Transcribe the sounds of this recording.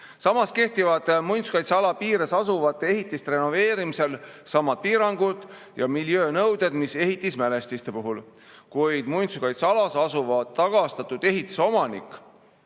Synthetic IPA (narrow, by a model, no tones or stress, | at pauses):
sɑmɑske̞ht̪ivɑd̪̥mujnt̪su̥kɑjt̪sɑlɑpiːɾesɑsuvɑt̪ːˑee̞ɦit̪ːˑist̪re̞nove̞ːɾimise̞lsɑmːɑd̪̥̚piːɾɑŋɡ̥ud̪̥ | jɑmiljø̞ːnɤwd̪̥e̞d̪̥mise̞ɦit̪ːˑismæle̞st̪ist̪e̞puɦul | kujd̪̥mujnt̪sukɑjt̪sɑlɑsɑsuvɑd̪ɑɡ̥ɑst̪ɑt̪ːˑud̪̥e̞ɦit̪ːˑu̥so̞mɑnḭkːˑ